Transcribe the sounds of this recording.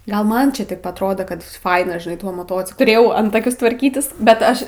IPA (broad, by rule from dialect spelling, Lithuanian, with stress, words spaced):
ˈɡɐlˠ ˈmɐn t͡ʃʲɛ tɐɪp ɐtˈroːdoː kɐt ˈfɐɪnɐ ʒʲɪnɐɪ tuɔ moːˈtoːt͡sʲɪklˠʊ tʊˈrʲeːjɛʊ ˈɐntɐkʲʊs tʋɐrʲˈkʲiːtʲɪs bʲɛt ˈɐʃ